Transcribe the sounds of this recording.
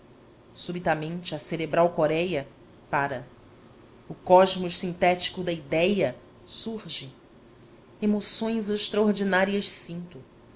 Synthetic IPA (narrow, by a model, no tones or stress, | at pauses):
subit̪ɐmẽnt͡ʃɪɐseɾebɾawkoɾɛjɐ | paɾɐ | ʊkɔʒmʊʃsĩnt̪ɛt͡ʃi̥kʊd̪ɐid̪ɛjɐ | suɾʒɪ | emosõj̃zeʃt̪ɾɐoɾd͡ʒinaɾiɐʃsĩnt̪ʊ